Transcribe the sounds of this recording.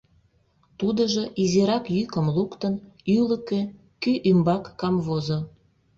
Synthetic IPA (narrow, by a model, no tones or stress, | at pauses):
t̪ud̪əʒəʔiziɾɑkjykə̆mlukt̪ən | yləke | kyʔymbɑkːɑmβozo